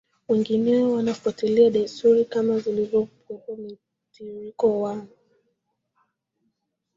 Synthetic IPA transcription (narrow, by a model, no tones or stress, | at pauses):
wɛŋɡinɛɔwanafuatiliaɗajstuɾikamazilizɔpɔkɔmi | tiɾikɔwan